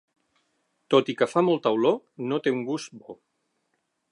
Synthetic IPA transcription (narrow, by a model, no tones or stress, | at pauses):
t̪ot̪ikəfamolˠt̪əwlo | not̪euŋɡust̪̚bo